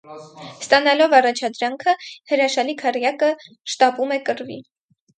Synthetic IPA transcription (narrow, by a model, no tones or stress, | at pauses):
st̪ɑnɑlɔvɑrɑt͡ʃʰɑd̪ɾɑŋkʰəhəɾɑʃɑlikʰɑrjɑkə | ʃt̪ɑpumɛkəɾvḭ